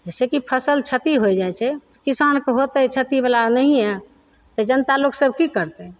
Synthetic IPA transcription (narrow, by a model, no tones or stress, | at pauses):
d͡ʒesekipʰəsəlt͡ʃʰət̪iɦojd͡ʒajt͡ʃʰɛt̪ɔkisankeɦot̪ɛt͡ʃʰət̪ibalanəɦijɛ | t̪ɔd͡ʒənt̪aloksəb̚ʱkikəɾt̪ɛ